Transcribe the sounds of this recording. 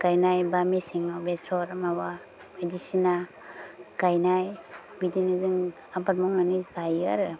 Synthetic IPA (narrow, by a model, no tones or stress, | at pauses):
kajnajbamisiŋawbesɔɾamawa | bedisina | kajnaj | bidinɯzɯŋ | abatmɔŋanizajaɾɯ